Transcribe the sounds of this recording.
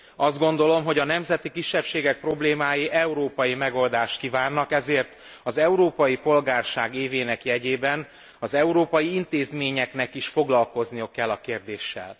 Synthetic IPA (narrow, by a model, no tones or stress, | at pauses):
ɒzd̪̚ɡo̞nd̪o̞lo̞mɦo̞ɟɒnɛmzɛt̪ikiʃːɛpʃeːɡɛk̚pro̞bleːmaːjiʔɛuɾoːpɒjimɛɡo̞ld̪aːʃt̪̚kivaːnːɒkɛzeːrt̪ | ɒzɛuɾoːpɒjipo̞lɡaːrʃaːɡeːveːnɛkjɛɟeːbɛn | ɒzɛuɾoːpɒjiint̪eːzmeːɲɛknɛkiʃfo̞ɡlɒlko̞znijokɛlːɒkeːrd̪eːʃːɛ̰l